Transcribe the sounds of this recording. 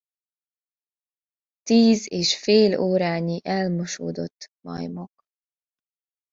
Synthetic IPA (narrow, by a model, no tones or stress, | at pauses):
t̪iːzeːʃfeːloːɾaːɲiʔɛlmoʃo̰ːd̪o̞t̪ːmɒ̰jmok